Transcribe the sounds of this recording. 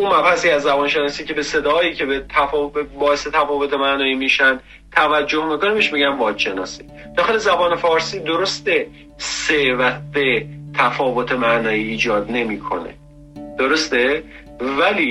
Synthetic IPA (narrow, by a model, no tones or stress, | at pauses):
ʔunmæbhæsiæzːæbɒːnʃe̞nɒːsiːcʰe̞be̞se̞d̪ɒːiːcʰe̞bet̪ʰæfɒːbbɒːese̞t̪ʰæfɒːvo̞t̪ʰemænɒːiːmiːʃænd̪ | t̪ʰævæd͡ʒːohmiːko̞nebeʃmiɟæmvɒːd̪ʃe̞nɒ̰ːsi | d̪̥ɒːxe̞lezæbɒːne̞fɒːɾsiːd̪o̞ɾost̪e̞ | sevæt̪̚be̞t̪ʰæfɒːvot̪ʰe̞mænɒːiːd͡ʒɒːd̪ne̞miːkʰo̞̰ne̞̰ | d̪̥oɾost̪e | væliː